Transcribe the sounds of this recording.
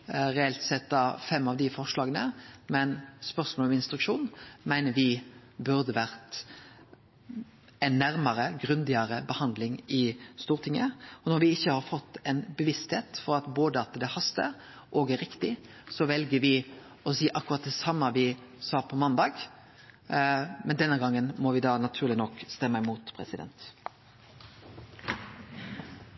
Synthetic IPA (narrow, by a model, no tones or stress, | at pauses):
ɾɛɛlt̪sɛt̪ːɑfɛmːɑʋd̪ɪfɔʁʂlɑːɡənəmɛnspœʁsmoːlɔmɪnst̪ɾʉkʂuːnmæɪnəʋɪ | bʉɾd̪əʋæɾt̪ | ɛnːæɾməɾəɡɾʉnd̪ɪəɾəbəhɑnd̪lɪŋɪst̪uːʁt̪ʰɪŋːəɔnɔɾʋɪɪçːəhɑːɾfɔt̪ːɛnbəʋɪst̪heːt̪fɔɾɑt̪boːd̪əɑt̪d̪ɛhɑst̪ə̰ɾ | ʔɔːɡæɾɪkt̪ɪ | sɔʋɛlɡəɾʋɪ | ɔsiːʔɑkːʉɾɑt̪̚d̪ɛsɑmːəʋɪ | sɑːpʰɔmɑnd̪ɑːɡ | mɛnd̪ɛnːəɡɑŋːənmɔʋɪd̪ɑːnɑt̪ʰʉːɾlɪnɔkːst̪ɛmːəɪmuːt̪pʰɾɛ̰sɪd̪ɛ̰nt̪